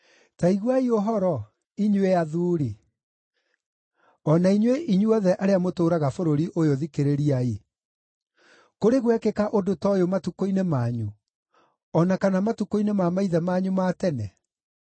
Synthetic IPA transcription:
taiɣwaioɦɔɾɔ | iɲweaðuːɾi | ɔnaiɲweʔiɲuɔðɛʔaɾeamotoːɾaɣafoɾoɾiʔojoðikeɾeɾiae | koɾeɣwɛkekaʔodotɔjomatukoinemaɲu | ɔnakanamatukoinemamaiðɛmaːɲumatɛnɛ

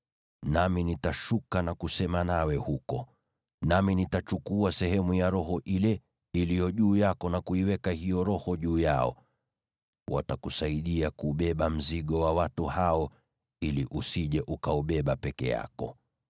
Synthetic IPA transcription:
naminitaʃukanakusɛmanawɛhukɔ | naminitat͡ʃukuasɛɦɛmujaɾɔɦɔʔilɛ | ilijɔʄuːjakɔnakuiwɛkahijɔɾɔhɔʄuːjaɔ̰ | wʔa̰takusaiɗiakuːɓɛɓam̩ziɠɔwawatuhaɔ | iliʔusiʄɛʔukaɔɓɛɓapɛkɛ̰ja̰kɔ̰

